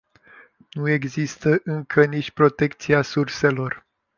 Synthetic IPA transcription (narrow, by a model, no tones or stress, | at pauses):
nue̞ɡzist̪əʔɨŋkʰənit͡ʃʲpɾo̞t̪e̞kt̪sijasurse̞lo̞r